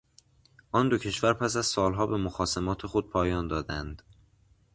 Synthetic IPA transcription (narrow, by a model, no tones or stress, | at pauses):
ʔɒːnd̪ocʰe̞ʃvæɾpʰæsæzsɒːlɦɒːbe̞moxɒːsemɒːt̪ʰe̞xod̪̚pʰɒːjɒːnd̪ɒːd̪ænd̪̥